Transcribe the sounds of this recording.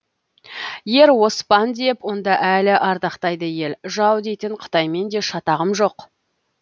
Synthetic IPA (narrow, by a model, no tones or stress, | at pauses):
je̞ɾwo̞spɑnd̪e̞pwo̞nd̪ɑʔælɪʔɑɾd̪ɑqt̪ɑjd̪əje̞lʒɑwd̪e̞jt̪ɪɴqʰə̥t̪ɑjme̞nd̪e̞ʃɑt̪ɑʁəmʒo̞q